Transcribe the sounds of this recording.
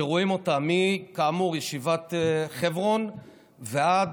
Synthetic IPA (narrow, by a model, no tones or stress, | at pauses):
eʁoimo̞tamikaːmuʁjeʃivat̪χevʁo̞n | vead̪